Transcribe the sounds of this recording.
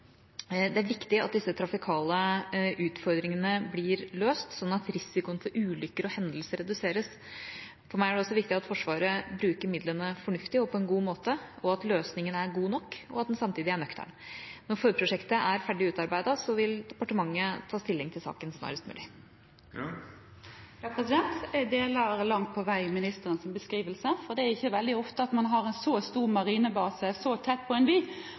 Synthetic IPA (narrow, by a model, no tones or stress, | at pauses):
d̪ɛæɾʋɪkt̪ɪɑt̪̚d̪ɪsːət̪ʰɾɑfɪkʰɑːləʔʉːt̪fɔɾd̪ɾɪŋənəbliːɾløːst̪sɔnːɑt̪ɾɪsɪkʊənfɔɾʔʉːlʏkːəɾɔhɛnd̪l̩səɾɛd̪ʉseːɾəs | fɔɾmæɪæɖɛɔsːɔʋɪkt̪ɪɑt̪fɔʂʋɑːɾəbɾʉːkəɾmɪd̪lənəfɔɳʉft̪ɪɔpʰɔɛnɡuːmoːt̪əɔɑt̪løːsnɪŋənæɾɡuːnɔkːɔ̰ɑt̪d̪ɛnsɑmt̪iːd̪ɪæɳœkt̪ʰæ̰ɳnɔɾfɔɾpʰɾʊʂɛkt̪əʔæɾfæɖɪʉːt̪ɑɾbæɪd̪ɑsɔʋɪld̪ɛpɑʈəmɑŋːət̪ʰɑːst̪ɪlːɪŋt̪ʰɪlsɑ̰ːkənsnɑ̰ːɾəst̪mʉ̰ːlɪ | pʰɾɛsɪd̪ɛnt̪d̪eːləɾlɑŋt̪̚pʰɔʋæɪmɪnɪst̪əɾənsɪnbəskɾiːʋəlsəfɔd̪ɛæɾɪçːəʋɛld̪ɪɔft̪əɑt̪mɑnɦɑɾɛnsɔst̪uːɾmɑɾiːnəbɑːsəsɔt̪ʰɛt̪̚ːpʰɔɛnbiː